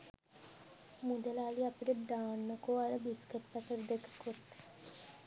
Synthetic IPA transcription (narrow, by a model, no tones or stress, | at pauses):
mud̪əlaːliapiʈəd̪aːnːəkoːaɾəbiskəʈpat̪əɾd̪ekə̥kot̪